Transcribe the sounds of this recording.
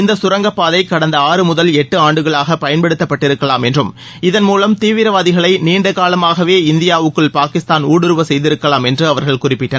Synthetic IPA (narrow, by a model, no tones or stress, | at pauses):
ɪnd̪ɐsʊɾɐŋɡɐpːaːðɐɪkːɐɽɐnd̪ɐaːrɯmʊðɐlɛʈːɯaːɳɖɯɣɐɭaːɣɐpɐjɐnpɛɽɯt̪ːɐpːɐʈːɪɾɯkːɐlaːmɛndrɯm | ɪðɐnmuːlɐmt̪iːʋɪɾɐʋaːðɪɣɐɭɐɪniːɳɖɐkaːlɐmaːɣɐʋeːɪnd̪ɪjaːʋɯkːɯɭpaːkɪst̪aːnuːɽɯɾɯʋɐsɛjðɪɾɯkːɐlaːmɛndrɯɐʋɐɾɣɐɭkʊrɪpːɪʈːɐ